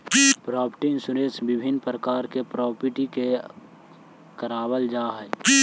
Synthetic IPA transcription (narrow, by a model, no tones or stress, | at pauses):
pɾɔːpʰəʈiɪ̃nsuɾẽsbɪbʱɪnpɾəkaːɾkepɾɔːpəʈike | kəɾaːwəld͡ʒaːɦɛː